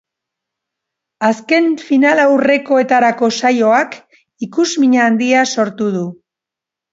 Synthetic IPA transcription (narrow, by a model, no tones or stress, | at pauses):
aske̞nfinalawre̞ko̞e̞t̪aɾako̞sajo̞ak | ikuzmiɲaːnd̪iaso̞ɾt̪uð̞u